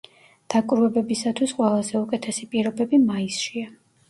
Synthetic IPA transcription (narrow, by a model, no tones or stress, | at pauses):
d̪̥akʼɾɛbɛbisat̪ʰwisqʼwɛlˠazɛukʼɛt̪ʰɛsipʼiɾɔbɛbimaisʃia